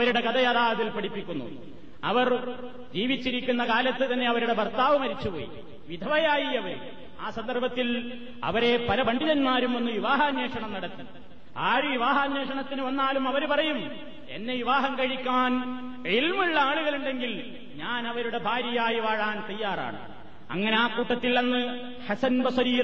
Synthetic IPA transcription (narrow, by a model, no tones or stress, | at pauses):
ɐɾuɽe̞kɐd̪ɐjaːðaːɐd̪ilpɐɽipːikʲːunːṵ | ɐʋɐr | d͡ʑiːʋit͡ɕːiɾikʲːunːɐkaːlɐt̪ːɨt̪ɐnːe̞ɐʋɐɾuɽe̞bʱɐrt̪aːʋɐmɐɾit͡ɕːupo̰ːjḭ | ʋid̪ʱɐʋɐjaːjiɐʋɐɾu | aːsɐnd̪ɐrbʱɐt̪ːil | ɐ̰ʋɐɾe̞pɐlɐbɐɳɖʱiðɐnmaːɾume̞nːuʋiʋaːɦaːnːeːʂɐɳɐmnɐɽɐt̪ːi | aːɾuʋiʋaːɦaːnːeːʂɐɳɐt̪ːinɨʋɐnːaːlumɐʋɐɾupɐrɐjum | ḛnːe̞ʋiʋaːɦɐmkɐɻikʲːaːn | ilmuɭːɐaːɭuɣɐɭluɳɖe̞ŋɡil | ɲaːnɐʋɐɾuɽe̞bʱaːɾjɐjɐaːjiʋaːɻaːnt̪ɐjːaːra̰ːɳɨ̰ | ɐ̰ŋːɐneaːkuːʈːɐt̪ːilenːɨ | ħɐsɐnbɐsɐɾiː